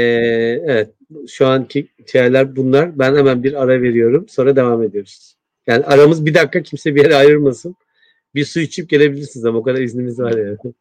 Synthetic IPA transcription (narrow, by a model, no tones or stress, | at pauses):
ɛevɛt̪̚ʃuanicʰit̪ʰijaɾlʲæɾbunlˠaɾbænhemænbiɾaɾave̞ɾijo̞ɾumso̞nɾad̪e̞vaːme̞d̪ijo̞ɾu̥zz̥ | jaːniaɾamɯzbid̪akʰːacʰimsɛbije̞ɾɛajɯɾmasɯn | bisujit͡ʃʰip̚ɟe̞lʲe̞bilʲiɾsinizamaokʰad̪aɾiznimizvaɾjaː